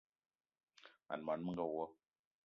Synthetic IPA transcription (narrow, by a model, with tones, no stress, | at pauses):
a̰˨n˨ma˨nmə˦ŋ˦ɡa˦˨wwɔ˦